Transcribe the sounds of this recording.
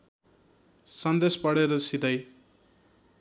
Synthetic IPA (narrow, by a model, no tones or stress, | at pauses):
sʌnd̪espʌɽeɾʌsid̪ʌj